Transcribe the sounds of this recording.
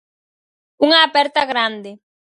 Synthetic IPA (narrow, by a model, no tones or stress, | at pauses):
uŋaːpɛɾt̪aɣɾand̪e